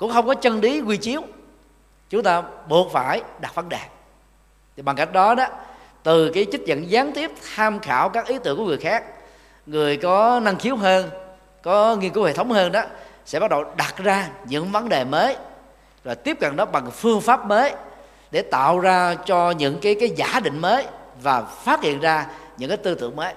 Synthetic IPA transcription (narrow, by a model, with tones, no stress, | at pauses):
kʊ̰˧˥ŋ͡mxə˧wŋ͡mkɔ˨˦t͡ɕə˧nɗi˨˦kwi˧t͡ɕi˨˦əw | t͡ɕʊ˨˦ŋ͡mt̪aː˧ɓu˨˩ət̚faː˧˩jɗa˨˩t̚və˨˦nɗɛ˨˩ | tt̪ʰi˨˩ɓa˨˩ŋka˦˥jk̟̚ɗɔ˨˦ɗɔ˨˦ | t̪ɨ˨˩kaː˨˦jt͡ɕi˦˥t̟̚zə̰˧˨nzaː˨˦nt̪i˦˥əp̚t̪ʰaː˧mxaː˧˩wkaː˦˥k̚ʔi˨˦t̪ɨ̰˧˨ŋkŋɨ˨˩əjxaː˦˥k̚ | ŋɨ˨˩əjkɔ˨˦na˧ŋxi˨˦əwɦəː˧n | kɔ˨˦ŋi˧ənku˨˦whḛ˧˨t̪ʰə˨˦wŋ͡mhəː˧nɗɔ˨˦sɛ̰˧˥ɓa˦˥t̚ɗə˨˩wɗa˨˩t̚zaː˧ɲɨ̰˧˥ŋvə˨˦nɗe˨˩məː˨˦j | zo˨˩jt̪i˦˥əp̚kə˨˩nɗɔ˨˦ɓa˨˩ŋfɨ˧əŋfaː˦˥p̚məː˨˦j | ɗe˧˩t̪a̰ː˧˨wzaː˧t͡ɕɔ˧ɲɨ̰˧˥ŋkaː˨˦jkaː˨˦jza̰ː˧˩ɗḭ̈˧˨ŋ̟məː˨˦jvaː˨˩faː˦˥t̚hḭ˧˨ənzaː˧ɲɨ̰˧˥ŋkaː˨˦jt̪ɨ˧t̪ɨ̰˧˨əŋməː˨˦j